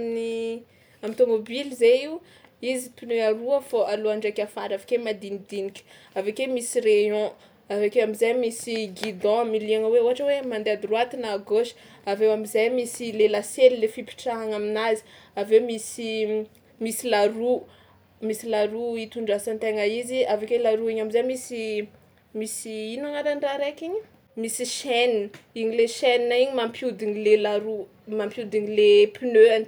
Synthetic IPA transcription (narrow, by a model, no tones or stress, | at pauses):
ni | amt̪omobilizeiw | izipineaɾuafoʔaluaɳɖ͡ʐakafaɾavakemad̪inid̪inikʲə̥ | avekemisireɔ̃ | avekewamizajmisiɡid̪ɔ̃miliaŋəweoɦaʈ͡ʂəwemand̪ead̪iruat̪inaɡoʃi̥avewamizajmisilelaselilefipi̥ʈ͡ʂaɦaŋaminazi̥avemisi | misilaɾu | misilaɾuit̪uɳɖ͡ʐasant̪eŋaiziavekelaɾuiɲamizajmisi | misiinaŋaɾanraɾejkʲiɲə | misiʃɛniniɲileʃɛninaiɲimampiud̪inilelaɾu | mampjud̪iɲilepinøani̥